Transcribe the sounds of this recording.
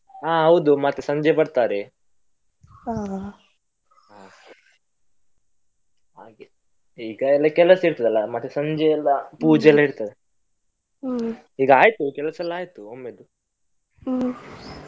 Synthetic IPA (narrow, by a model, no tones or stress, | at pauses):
aːɦɐwd̪umɐt̪ːesɐɲd͡ʒɛpɐɽt̪aːɾe | aː | aː | aːɡi | iːɡɐɛlːɐkɛlɐsiɾt̪ɐd̪ɐlːɐmɐt̪ːesɐɲd͡ʒɛɛlːɐpuːd͡ʒɛɛlːɐɦiɽt̪ad̪e | iːɡɐaːjt̪ukɛlɐsɐlːaːjt̪uomːed̪u